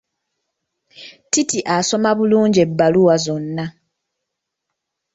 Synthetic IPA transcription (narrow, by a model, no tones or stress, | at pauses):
titiʔaso̞maβuluːɲɟe̞bːaluwazo̞nːa